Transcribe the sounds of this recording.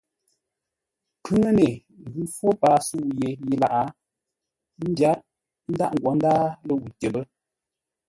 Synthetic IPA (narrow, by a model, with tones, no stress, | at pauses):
kʰʉ˦ŋə˦ne˨ | ɣʉ˦fwo˦pa˨˦su˦u˨je˨ji˦la˨ʔa˨˦ | n̩˦dja˦t̚ | n̩˦da˦ʔŋ̩˨ɡwɔ˨˦n˦daː˦lə˦˨wu˨tə˨bə˦